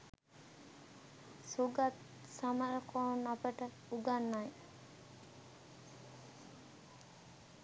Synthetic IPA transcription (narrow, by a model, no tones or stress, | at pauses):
suɡat̪̚ | saməɾəkʰoːnapəʈə | uɡanːaj